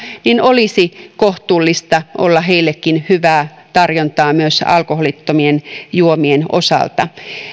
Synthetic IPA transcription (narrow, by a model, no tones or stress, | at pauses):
ninolisikoht̪uːlːist̪ɑʔolːɑɦeilːekːinhyʋæː | t̪ɑrjont̪ɑːmyøsɑ̰lkoholit̪ːomienjuomienʔo̰sɑ̰ˑlt̪ɑ